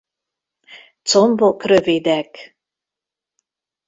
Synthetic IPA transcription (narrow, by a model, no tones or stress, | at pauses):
t͡sombokɾøved̪æk